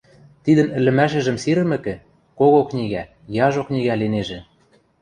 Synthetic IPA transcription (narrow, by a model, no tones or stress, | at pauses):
t̪id̪ə̆nɘ̆lːɘ̆mæʃ̬ɘ̆ʒɘ̆msiɾɘ̆mɘ̆kɘ̆ | koɣoknʲiɣæ | jɑʒoknʲiɣæleneʒĕ